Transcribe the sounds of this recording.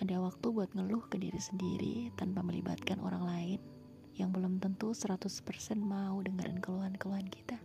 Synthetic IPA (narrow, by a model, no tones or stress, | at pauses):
adawak̚t̪ubuat̪̚ŋəlʊhkədiɾisəndiɾḭt̪anpaməlḭba̰t̪̚kanʔo̰ɾaŋlaɪn | jaŋbəlʊmt̪ənt̪usəɾat̪ʊspərsɛnmaudəŋəɾʔə̰nkəluɦankəluɦanki̥t̪a